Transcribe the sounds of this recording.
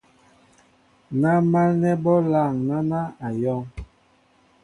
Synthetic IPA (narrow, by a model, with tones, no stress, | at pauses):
na˦ma˦nɛ˦bɔ˦la˦˨ŋna˦na˦a˨jɔ˦ŋ